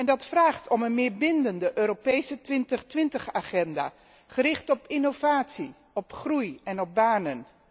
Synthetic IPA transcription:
ɛndɑtfraːχtɔmənmɪːɹbɪndəndəʔøːɾopejsətʋɪntəχtʋɪntəχaːχɛnda̰ː | χərɪχtɔpɪnov̥aːtsi | ɔpχrujɛnɔb̚baːnən

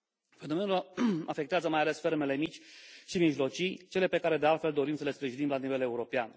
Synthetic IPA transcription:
fe̞no̞me̞nulafekt̪eazəmajale̞sfe̞rme̞le̞mit͡ʃʲʃimiʒlo̞t͡ʃijt͡ʃe̞le̞pe̞kaɾe̞d̪ealt̪fe̞ld̪o̞ɾimsəle̞spɾiʒinimlanive̞le̞uɾo̞pean

